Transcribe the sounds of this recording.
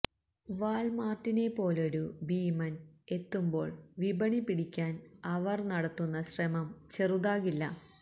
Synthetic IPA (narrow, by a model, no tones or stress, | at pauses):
ʋaːɭmaːrʈːine̞pːo̞ːlo̞ɾubiːmɐne̞t̪ːumbo̞ːɭʋibʱɐɳipːiɽikʲːaːnɐʋɐrnɐɽɐt̪ːunːɐɕrɐmɐmt͡ɕeruðaːɣilːɐ